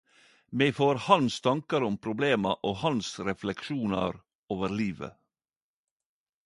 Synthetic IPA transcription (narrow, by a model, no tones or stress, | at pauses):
mɛfoːɾhɑnst̪ʰɑŋkɑɾʊmpʰɾʊbleːmɑʔoːhɑnsɾɛflɛkʃuːnɑ̰ɾ | oːʋəɾliːʋə̰